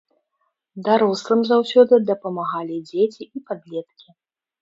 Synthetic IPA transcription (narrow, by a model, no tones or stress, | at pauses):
d̪aɾɔslˠɨmzawsʲɔd̪ɨd̪ɐpɐmaɣalʲid͡zʲet͡sʲiipad̪lʲɛt̪kʲi